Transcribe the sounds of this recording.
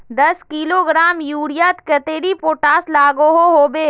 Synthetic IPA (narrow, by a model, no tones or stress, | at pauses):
d̪ɐskiːloːɡɾaːmjuːɽijaːt̪kɐt̪eːɾipoːʈaːslaːɡoɦoɦoːbeː